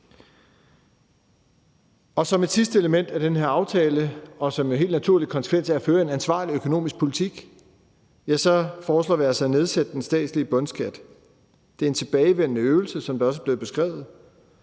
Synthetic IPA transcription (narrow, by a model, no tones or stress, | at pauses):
ɒ̽sɒ̽me̝d̥sisd̥əe̝ləmen̰d̥æd̥enɦe̝ɐɑ̈ʊt͡sʰɛːləɒ̽sɒ̽mjoɦe̝̰ːld̥næt͡sʰuɐ̰li̥kʰɒnsə̥kʰʋen̰sʰeææføːɐe̝nænsʋɑ̰̈ːliøkʰo̝no̝̰ːmisɡ̥̚pʰo̝lit͡sʰiɡ̥ | jæsɒ̽fɒːslɔ̰ːʋiɐsɑ̈ɪne̝ð̞ˠsed̥əd̥ensd̥ɛ̰ːd̥sliəb̥ɔ̽nsɡ̥ʰæd̥ | d̥e̝æɐe̝nt͡sʰe̝b̥ɛːɪʋen̰ənəøːʊl̩səsɒ̽md̥ɑ̈ɒ̽s̬əæb̥le̝ːð̩b̥e̝sɡ̥ʁɛ̰ːʊð̞̩ˠ